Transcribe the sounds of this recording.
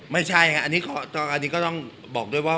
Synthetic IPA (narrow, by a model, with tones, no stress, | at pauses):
ma˥˩jt͡ɕʰa˥˩ja˧˩kʰa˦˥ʔa˧nːiː˦˥kɔː˥˩t̪ːʔa˧nːiː˦˥k̬ɔː˥˩t̪ɔ˥˩ŋ | bɔː˨˩k̚du˥˩əjwaː˥˩